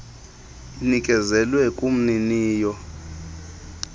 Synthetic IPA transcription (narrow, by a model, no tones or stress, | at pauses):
inikʼɛzɛlwɛkʼum̩niniːjɔ